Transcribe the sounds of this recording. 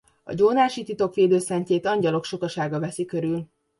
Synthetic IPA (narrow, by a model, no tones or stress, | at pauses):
ɒ̰ɟoːnaːʃit̪it̪o̞kʋeːd̪øːsɛɲceːt̪ɒɲɟɒlo̞kʃo̞kɒʃaːɡɒvɛsikø̞ɾyl